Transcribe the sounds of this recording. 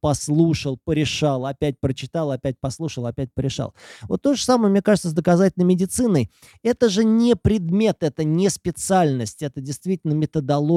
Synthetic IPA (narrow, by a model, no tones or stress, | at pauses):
pɐslˠuʂəlˠpəɾʲɪʂalˠɐpʲætʲpɾət͡ɕɪ̥t̪alˠɐpʲæt̚ʲpɐslˠuʂəlˠɐpʲæt̚ʲpəɾʲɪʂa̰lˠvot̪ːo̞ʐəsaməjəmnʲekaʐɨt̪səzd̪əkɐzatʲɪlʲnəjmʲɪdʲɪt̪sɨnəj | ɛt̪əʐɨnʲɪpɾʲɪd̪mʲe̞t̪ɛt̪ənʲɪspʲɪt̪sɨalʲnəsʲtʲɛt̪ədʲɪjst̪vʲitʲɪlʲnəmʲɪt̪əd̪ɐlˠo